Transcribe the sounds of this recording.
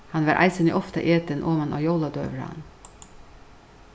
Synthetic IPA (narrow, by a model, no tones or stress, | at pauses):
hɑnʋɑ̰ːɾʔæ̰ɪsənḭʔɔft̪ə̰ʔeːt̪ənʔoːmənʔo̰ːjoʊlɑd̪ø̰ːʋəɹɑ̰n